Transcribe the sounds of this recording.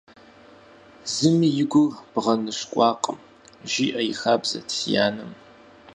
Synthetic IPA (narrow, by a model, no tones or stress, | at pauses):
zɨmijɪɡʷʊb̥ʁɐnɨɕkʷʼɑːqəm | ʒiːʔɐjɪxaːbzɐ̰tʰija̰ːnɨm